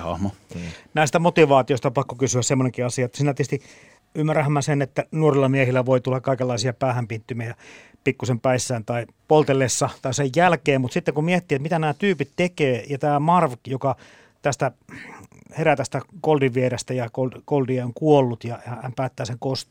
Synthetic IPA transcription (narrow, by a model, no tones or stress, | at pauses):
hɑ̰hmonæist̪æmot̪iʋɑːt̪ioist̪ɑpɑkːokysyæssemːoneŋkiɑsiɑet̪ːsiːnæt̪iest̪i | ymːæræhæmːæsenet̪ːænuorilːɑmiehilːæʋoit̪ulːɑkkɑikelːɑisiɑpæːhæmpit̪ːymiæjɑ | pikːusempæisːæːnt̪ɑipolt̪elːesːɑt̪ɑisejjælkeːmmut̪sit̪ːeŋkummiet̪ːiːet̪mit̪ænæːt̪yːpit̪t̪ekeːjɑt̪æːmɑrʋkjokɑ | t̪æst̪æ | heɾæt̪æst̪ækoldiʋʋierest̪æjɑkolkoldieoŋkuolːut̪jɑjɑhæmpæːt̪ːæːseŋkost̪